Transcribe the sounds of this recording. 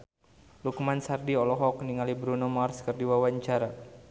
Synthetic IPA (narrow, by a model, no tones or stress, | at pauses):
lukmansardiɔlɔɦɔkniŋalibɾunomarskərdiwawaɲt͡ʃaɾa